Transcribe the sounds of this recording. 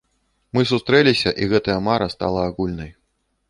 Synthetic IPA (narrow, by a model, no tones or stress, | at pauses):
mɨs̬ust̪ɾɛlʲisʲɐʔiɣɛt̪ɐjɐmaɾɐst̪a̰lˠɐːɣulʲnɐj